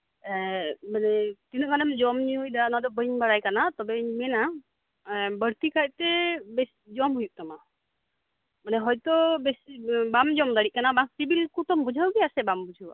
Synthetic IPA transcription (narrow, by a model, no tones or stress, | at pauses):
manɛt̪inɔʔkanɛmd͡ʒɔmɲiujd̪anad̪ɔbəɲbaɽajkanat̪ɔbɛɲimɛna | bəɽt̪ikaj̚t̪ɛbɛsid͡ʒɔmɦujuʔ̚t̪ama | manɛɦɔjt̪ɔbɛsibamd͡ʒɔmd̪aɽiʔ̚kanabaŋsibilkut̪ɔmbud͡ʒʱawɡɛasɛbambud͡ʒʱawa̰